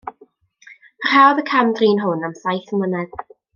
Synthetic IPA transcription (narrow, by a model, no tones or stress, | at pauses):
r̥awðəkʰamdriːnɦʊnamsajθəmənɛɡ̥